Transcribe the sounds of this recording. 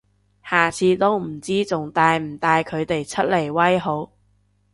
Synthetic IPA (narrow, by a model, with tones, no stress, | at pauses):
haː˨˩t͡sʰiː˨˧˥t̪o˥wm̩˨˩t͡siː˥t͡sʊ˨ŋt̪aː˧jm̩˨˩t̪aː˧jkʰɵ˨˧ɥt̪e˨jt͡sʰɵ˥t̚le˨˩jwɐ˥jɦo˨˥w